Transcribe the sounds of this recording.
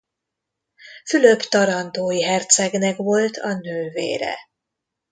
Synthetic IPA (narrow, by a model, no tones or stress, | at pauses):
fylø̞kt̪ɒɾɒnt̪oːjiɦɛrt̪sɛɡnɛkʋo̞lt̪ʰɒnøːvḛːɾɛ̰